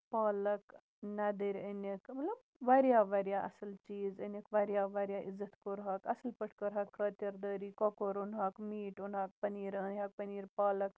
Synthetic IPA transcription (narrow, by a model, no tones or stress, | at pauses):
paːlɐk | nad̪əɾʲənɐkmɐt̪lɐb | ʋaɾjaːʋaɾjaʔɐ̰sɐlt͡ʃiːzənɐkʋaɾjaːʋaɾjaːʔizːɐt̪koɾɦɐkɐsəlpəʈʰkəɾɦɐkːɾət̪jɐɾd̪əːɾiːkɔkoɾunɦaːkmiːʈunɦak̚pɐniːɾənʲɦak̚pɐniːɾpaːlɐk